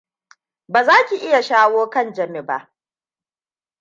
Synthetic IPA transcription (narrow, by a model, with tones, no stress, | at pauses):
baː˨zaː˦kʲi˨ʔɪ˦ja˨ʃaː˦woː˦kɐ˦˨nd͡ʒɐ˨mɪ˦ba̰˦ʔ